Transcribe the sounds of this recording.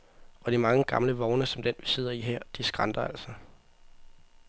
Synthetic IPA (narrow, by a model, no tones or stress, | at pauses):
ɒ̽d̥imɑ̈ŋəɡ̥ɑ̈mləʋɒʊnəsɒ̽md̥enʋise̝ð̰ˠɐiɦɛɐ̰d̥isɡ̥ʁɑ̈nd̥ɐæl̰sɒ